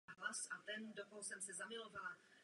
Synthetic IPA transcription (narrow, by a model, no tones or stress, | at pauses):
ɦlasat̪ɛndokoɦosɛmsɛzamɪlovala